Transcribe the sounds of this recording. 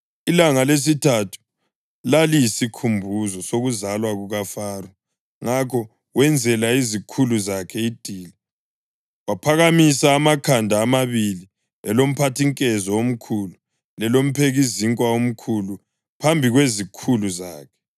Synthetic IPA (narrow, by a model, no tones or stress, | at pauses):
ilaŋales̬itʰatʰu̥ | lalijisikʰumbʱuzɔsoɣuzalwaɣuɣafaːru | ŋakʰɔ | wɛnd͡zʱɛlaizikʰuluzakʰɛid̥ʱiːli | wapʰaɣamisaːmakʰandʱaːmaβili | ɛ̰lom̩pʰatʰiŋkʼɛzɔom̩kʰulu | lɛlom̩pʰeɣiziŋkʼwaom̩kʰulu | pʰambʱiɣwezikʰuluza̰ːkʰɛ̥